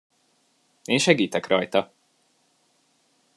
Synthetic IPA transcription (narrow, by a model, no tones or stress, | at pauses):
eːnʃɛɡiːt̪ɛkrʔɒjt̪ɒ